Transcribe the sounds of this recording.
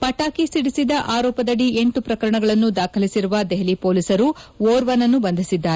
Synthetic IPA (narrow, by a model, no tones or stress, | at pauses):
pɐʈaːkisiɽisid̪ɐʔaːɾɔːpɐd̪ɐɽie̞ɳʈupɾɐkɐɾɐɳɐɡɐɭɐnːud̪aːkʰɐlisiɾuʋɐd̪eɦlipoːlisɐɾuʋoːɾʋɐnɐnːubɐnd̪ʱisid̪ːaːɾe